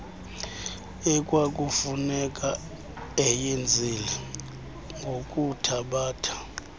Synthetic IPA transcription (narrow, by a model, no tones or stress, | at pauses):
ɛkʼwak̬ʼufunɛkʼa | ɛjend͡zʱilɛ | ŋɡʱokʼutʰaɓaːtʰḁ